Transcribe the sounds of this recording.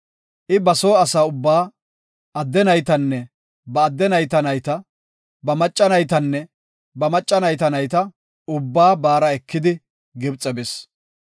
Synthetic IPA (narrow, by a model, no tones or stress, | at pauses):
ʔɪbɐso̞ːɐsaːʊbːaː | ɐd̪ːɛnɐjt̪ɐnːɛ | bɐːd̪ːɛnɐjt̪ɐnɐjt̪ɐ | bɐmɐt͡ʃʼːɐnɐjt̪ɐnːɛ | bɐmɐt͡ʃʼːɐnɐjt̪ɐnɐjt̪ɐ | ʊbːaːbaːɾɐɛkːɪd̪ɪ | ɡɪbt͡sʼɛbɪs